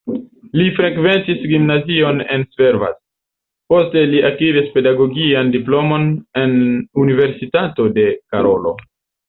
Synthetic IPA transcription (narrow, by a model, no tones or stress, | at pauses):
lifɾe̞kve̞ntisɡimnazio̞ne̞̰nsve̞ɾva̰t | po̞ste̞liʔakiɾispe̞daɡo̞ɡiandiplo̞mo̞ne̞nunive̞ɾsitato̞de̞kaɾo̞lo̞̰